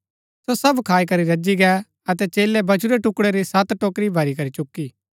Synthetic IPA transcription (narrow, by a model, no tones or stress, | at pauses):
sosɐbkʰaːikɐɾiɾɐd͡ʒiɡɛ | ɐt̪ɛt͡ʃeːlɛbɐt͡ʃʰuɾeʈʊkɽeɾisɐt̪ʈoːkɾibʱɐɾikɐɾit͡ʃʊkːiː